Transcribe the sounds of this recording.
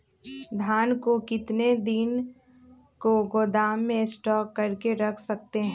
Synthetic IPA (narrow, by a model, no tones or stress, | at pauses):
d̪ʱjaːnkokɪt̪ned̪ɪn | koɡoːd̪aːmːẽsʈɔːkːɐɾkeɾɐkʰsɐk̚t̪eɦɛ̃